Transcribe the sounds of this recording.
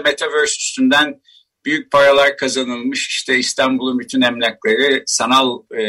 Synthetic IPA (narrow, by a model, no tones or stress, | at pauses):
met̪ʰavøɾsy̥st̪ynd̪æn | b̥yjyc̚pʰaɾalˠaɾkʰazanɯlˠmɯʃi̥ʃt̪ʰɛist̪ʰanbulˠunbyt̪ʰynɛmlʲæclʲˠeɾɯsanalˠ